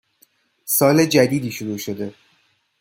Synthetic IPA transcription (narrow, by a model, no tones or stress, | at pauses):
sɒːled͡ʒæd̪iːd̪iːʃoɾuːʃo̞d̪e̞